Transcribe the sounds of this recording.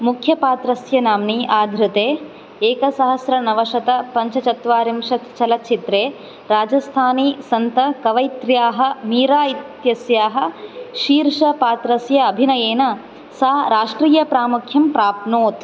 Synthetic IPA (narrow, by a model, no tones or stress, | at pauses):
mukʰjɐpaːt̪ɾɐsjɐnaːmniʔaːd̪ʱɾut̪eː | eːkɐsɐɦɐsɾɐnɐʋɐʃɐt̪ɐpɐɲt͡ʃɐt͡ʃɐt̪ʋaːɾimʃɐt̪t͡ʃɐlɐt̪t͡ʃit̪ɾeː | ɾaːd͡ʒɐst̪ʰaːnisɐnt̪ɐkɐʋɐjt̪ɾjaːɦɐ̆miːɾaːit̪jɐsjaːɦɐ̆ʃiːɾʂɐpaːt̪ɾɐsjɐːbʱinɐjeːnɐ | saːɾaːʂʈɾiːjɐpɾaːmukʰjɐmpɾaːp̪noːt̪